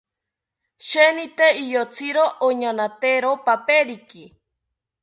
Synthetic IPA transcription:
ʃenit̪eijot͡sʰiɾoʔoɲanat̪eɾopapeɾiki

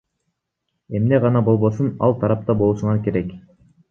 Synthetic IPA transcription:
e̞mne̞ʁɑnɑbo̞lˠβo̞sunɑ̰lˠt̪ʰɑɾɑp̚t̪ɑbo̞lˠuʃuɴɑɾke̞ɾe̞k

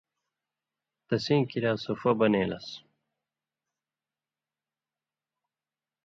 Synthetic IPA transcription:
t̪ɐsĩːkiɾaːsofɐbɐneːlɐ̰s

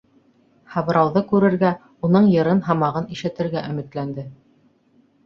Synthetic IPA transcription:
hɑβ̆ɾɑwðɤkʉɾɘ̆ɾɡæ | unɤɴjɤ̆ɾɤnɦɑmɑʁɤniʃɘ̆t̪ɘ̆ɾɡæʔɵ̆mɘ̆t̪lænd̪ɘ

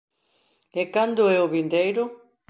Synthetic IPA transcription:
ekand̪ʊɛoβind̪ejɾʊ

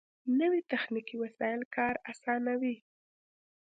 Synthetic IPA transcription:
nəwit̪axnikiwasɑjɪlkʰɑɾasɑnawi

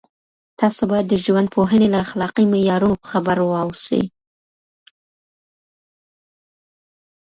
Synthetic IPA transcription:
t̪ɑsobɑjad̪ːəʒwand̪̚pʰoɦənelaxlɑqimɪjɑɾunopə̥xabəɾwɑwsə̰j

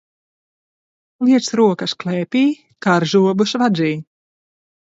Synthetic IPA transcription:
liɛsɾuɔkɐʃklɛːpʲiː | kaɾʒuɔbuʃvazʲiː

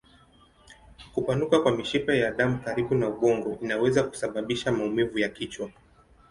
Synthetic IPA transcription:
kupanukakwamiʃipajaɗamukaɾiɓunauɓɔŋɡɔʔinawɛzaku̥saɓaɓiʃamaumivujakit͡ʃwa

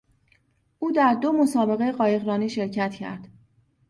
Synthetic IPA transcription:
ʔuːd̪æɾd̪o̞mo̞sɒːbe̞ɣe̞jeɢɒːje̞ɣɾɒːniːʃe̞ɾcʰæt̪ʰcʰæ̰ɾd̪̥

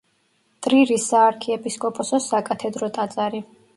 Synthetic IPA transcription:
t̪ʼɾiɾisaːɾkʰiɛpʼiskʼɔpʼɔsɔsakʼat̪ʰɛd̪ɾɔt̪ʼad̪zaɾi

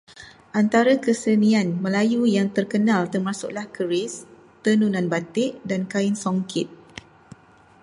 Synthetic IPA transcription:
ʔant̪aɾakəsənianmə̃lajujaŋt̪ərkənãlt̪ərmasʊ̰ʔlahkəɾɪs | t̪ənunãnbat̪ɪʔdankaɪnsoŋkʰɪt̪̚

